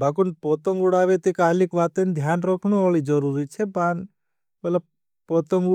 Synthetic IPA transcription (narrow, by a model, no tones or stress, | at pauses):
bʱakunpot̪ɔ̃ŋɡuɽaːʋet̪ikaːlikʋaːt̪end̪ʱjaːnɾoːkʰnuʋaːɭid͡ʒɔɾuɾit͡ʃʰepaːn | mɐt̪ləb̚ | pot̪ɔ̃ŋɡu